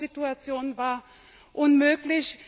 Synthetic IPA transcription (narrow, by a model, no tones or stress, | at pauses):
ituat͡sjoːnvaːɐ | ʔʊnmøːklɪç